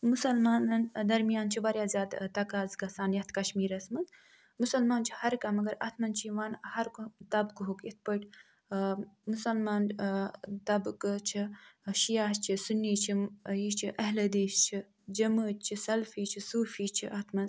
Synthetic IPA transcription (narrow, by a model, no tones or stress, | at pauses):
musɐlmaːnɐnd̪ɐɾmijaːnt͡ʃʰibɐɾjaːzjaːd̪t̪ɐkaːzɡɐsaːnjɐt̪ʰkɐʃmiːɾɐsmɐn | musɐlmaːnt͡ʃʰi̥hɐɾkɐmɐɡɐɾɐ̰t̪ʰmɐnt͡ʃʰiʋaːnhɐɾkt̪ɐbkuɦuket̪̚ʰpɐʈ | musɐlmaːn | t̪ɐbkt͡ʃʰiʃijaːt͡ʃʰisunːiːt͡ʃʰijit͡ʃʰiʔɐɦlɐd̪eːst͡ʃʰi | d͡ʒɐməːt̪̚t͡ʃʰisɐlfiːt͡ʃʰisuːfiːt͡ʃʰiʔɐt̪ʰmɐn